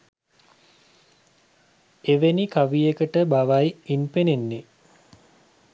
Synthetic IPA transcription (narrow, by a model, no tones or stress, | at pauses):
eʋenikaʋijekəʈəbaʋajinpenenːe